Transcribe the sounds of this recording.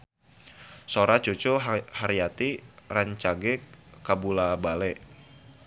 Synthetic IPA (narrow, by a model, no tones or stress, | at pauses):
soɾat͡ʃut͡ʃohaɾijat̪iraɲt͡ʃaɡɛkabulabalɛʔ